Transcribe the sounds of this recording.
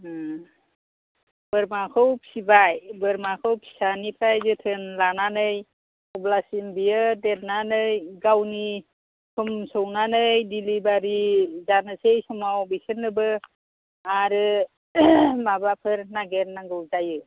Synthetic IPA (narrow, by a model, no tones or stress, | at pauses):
bɯɾmakʰɯwpʰsibajbɯɾmakʰɯwpʰi̥sanipʰajzɯtʰɯnlananɯj | ɔblasimbijɯdet̚nanɯjɡawni | kʰumsownanɯjdilibaɾizanɯsejsɔmawbisɯnːɯbɯ | aɾɯ | mabapʰɯɾnaɡeɾnaŋɡɯwzajɯ